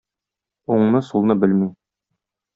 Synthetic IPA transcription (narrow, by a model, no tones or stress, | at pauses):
uɴnɤsulˠnɤbɘlmi